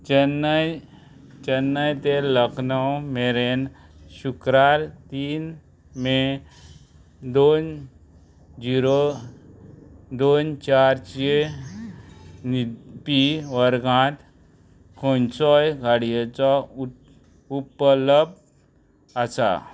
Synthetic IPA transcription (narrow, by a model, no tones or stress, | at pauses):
d͡ʑənːaj | d͡ʑənːajt̪eləknəwmeɾen | ɕukɾaɾt̪iːn | me | d̪on | d͡ʑiɾo | d̪ont͡ɕaɾt͡ɕe | nipiʋəɾɡãt̪ | kʰɔ̃nt͡sɔjɡʱaɽijet͡sa | upələb̚ | asa̰